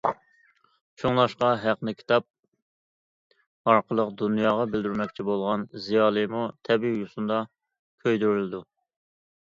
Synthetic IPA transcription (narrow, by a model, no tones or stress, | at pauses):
t͡ʃʰuŋlˠɑʃqɑɦæqnɨkʲʰi̥t̪ʰɑp̚ | ɑɾqʰəlˠəqd̪unjɑːʁɑbɪld̪yɾmɛk̚ʲt͡ʃʰibolˠʁɑnzijɑːlˠɨmut̪ʰɛbijusund̪ɑ | kʲʰøjd̪yɾlɪd̪u